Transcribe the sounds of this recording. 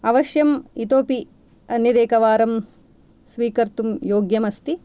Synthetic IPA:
ɐʋɐʃjɐmit̪oːpi | ɐnjɐd̪eːkɐʋaːɾɐm | sʋiːkɐɾt̪umjoːɡjɐmɐst̪i

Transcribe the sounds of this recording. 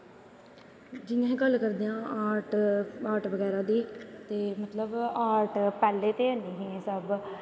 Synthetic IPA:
d͡ʒɪjãːĩːkəlkəɾd̪eːãːʔaːɾʈaːɾʈʋəɡɛːɾaːd̪iːt̪eːmət̪ləbaːɾʈpɛːleːt̪eːəniːɦẽːsəb

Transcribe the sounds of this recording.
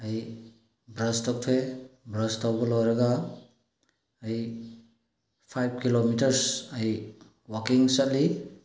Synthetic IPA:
aj | bɾɐstɔk̚tʰebɾɐstawɡɔlɔwɾaɡa | j | pʰajb̚kilomitɐɾsaj | wakiŋsat̚li

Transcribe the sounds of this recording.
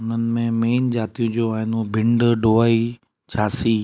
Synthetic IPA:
ʊn̤ənɪ̆mẽmeːnd͡ʑaːt̪ijũd͡ʑoaːɦɪnubʱɪ̃ɳɖɖoːaːi | t͡ɕʰaːsi

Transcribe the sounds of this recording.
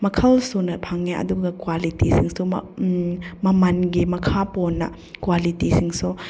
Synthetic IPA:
mɐkʰɐlsunɐpʰaŋːeʔɐ̰duɡɐkwalitisiŋsum | mɐmɐnɡimɐkʰapɔnːɐ̰ | kwalitisiŋsu

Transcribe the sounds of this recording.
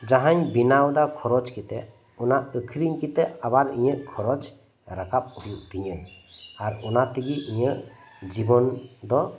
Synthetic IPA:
d͡ʒaɦaɲbinawd̪akʰɔɾɔd͡ʒkit̪ɛʔ | ɔnaʔəkʰɾiɲkit̪ɛʔabaɾḭɲəʔkʰɔɾɔd͡ʒ | ɾakap̚hujuʔt̪iɲəaɾɔnat̪iɡiʔiɲəd͡ʒibɔnd̪ɔ

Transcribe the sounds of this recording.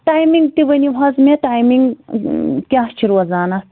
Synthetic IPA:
t̪aːjmiŋɡ̚t̪iʋɐniʋɐzmet̪aːjmiŋɡ | kjaːɦt͡ʃʰiɾwɐzaːnɐ

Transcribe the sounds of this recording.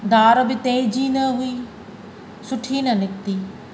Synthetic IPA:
d̪aːɾbɪt̪ẽːd͡ʑiːnɐɦuiː | sʊʈʰiːnɐnɪk̚t̪iː

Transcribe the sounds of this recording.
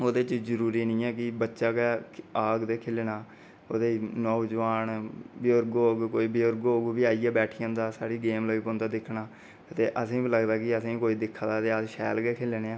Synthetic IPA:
oːd̪eːt͡ʃzəɾuːɾiːnĩːɛːkɪbətːʃaːkɛːaːɡd̪eːkʰɪlnaː | oːd̪eːiːnɔːd͡ʒʋaːnbɪoɾɡoːɡkoːiːbɪoɾɡoːɡuːbiːaːiːɛːbɛːʈʰijə̃nd̪aːsaːɽiːɡeːmləɡeːkõnd̪aːd̪ɪkʰnaː | t̪eːʔəsĩːbiləɡd̪aːkɪəsĩːkoːiːd̪ɪkʰːaːd̪aːt̪eːaʃɛːlɡeːkʰɪleneːãː

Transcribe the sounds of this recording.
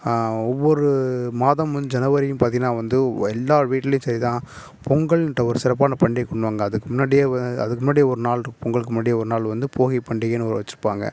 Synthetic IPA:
ɔʋːɔɾɯmaːðɐmʋɐnd̪ɯd͡ʒɛnɐʋɐɾɪjʊ̃mpaːɾt̪iŋɡɐnaːʋɐnd̪ɯɛlːaːʋiːʈːɪlɐjʊ̃sɐɾit̪ãː | pʰɔŋɡɐɭɛnʈːɐɔɾɯsɪɾɐp̬ːaːnɐpɐɳɖɪjkɔɳɖɯʋaːŋɡɐːðɯkːɯmʊnːaːɽɪjaːɐɐðɯkːɯmʊnːaːɽɪjɐɔɾɯnaːɭɾɯkːɯpɔŋɡɐɭɯkːɯmʊnːaːɽɪjɐɔɾɯnaːɭʋɐnd̪ɯpʰoːɣipɐɳɖɪɣenːɯɔɾɯʋɐt͡ʃːɯɾɯpːaːŋɡɐ̰

